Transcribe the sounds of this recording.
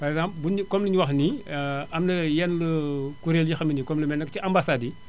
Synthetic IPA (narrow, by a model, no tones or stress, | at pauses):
pɐɾɛkszãmpbunkɔmləɲuwɐxniɐmnɐjɛnləkuɾeːljixɐminikɔmləmɛnːɐkciʔambasadi